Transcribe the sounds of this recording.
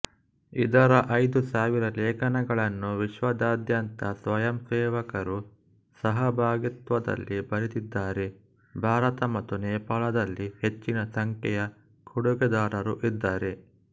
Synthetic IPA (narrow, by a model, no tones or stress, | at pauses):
id̪ɐɾɐʔɐjd̪usaːʋiɾɐlɛːkɐnɐɡɐɭɐnːuʋiʃʋɐd̪aːd̪jɐnt̪ɐsʋɐjɐmsɛːʋɐkɐɾu | sɐɦɐbʱaːɡit̪ʋɐd̪ɐ̰lːibɐɾit̪id̪ːaːɾe | bʱaːɾɐt̪ɐmɐt̪ːunɛːpaːɭɐd̪ɐlːihet͡ʃːinɐsɐŋkɛjɐ | kʰuɽuɡɛd̪aːɾɐɾuʔid̪ːaːɾe̞